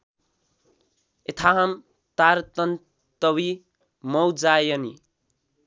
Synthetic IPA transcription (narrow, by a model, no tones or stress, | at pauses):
et̪ʰaɦam | t̪aɾt̪ʌn | t̪ʌwi | mʌwd͡zajʌni